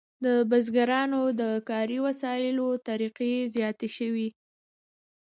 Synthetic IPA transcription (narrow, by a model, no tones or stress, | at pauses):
d̪əbazɡaɾɑnod̪əkɑɾiwasɑjɪlot̪aɾiqezjɑt̪eʃəwi